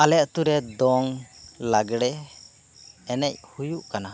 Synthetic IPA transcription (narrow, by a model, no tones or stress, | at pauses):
alɛʔt̪uɾɛd̪ɔŋlaɡɽɛ | ɛnɛc̚hujuʔkana